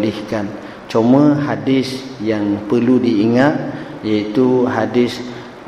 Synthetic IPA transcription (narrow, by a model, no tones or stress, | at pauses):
lihkan | t͡ʃomə̃hadɪsjaŋpərludiːŋat̪̚ | jait̪uɦadɪs